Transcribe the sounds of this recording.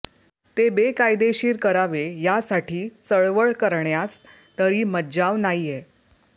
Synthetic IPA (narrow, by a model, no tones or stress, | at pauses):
t̪ebekajd̪eɕiːɾkəɾaʋejasaʈʰiːt͡səɭʋəɭkəɾɳjas | t̪əɾiːməd͡ʑaʋnajje